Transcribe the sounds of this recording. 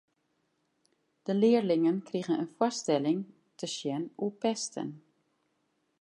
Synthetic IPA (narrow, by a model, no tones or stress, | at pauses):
d̥əlɪəɹlɪŋənkriɣənə̰nfwɔstɛlɪŋ | tʰəʃjɛnupɛstʰə̰n